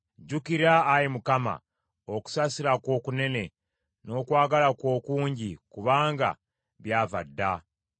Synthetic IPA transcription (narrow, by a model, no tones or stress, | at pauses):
ɟukiɾaːjimukama̰ | oku̥sasiɾakwo̞ːkune̞ne̞ | no̞ːkwaːɡalakwo̞ːkuːɲɟikuβaːŋɡa̰ | βjaːva̰dːa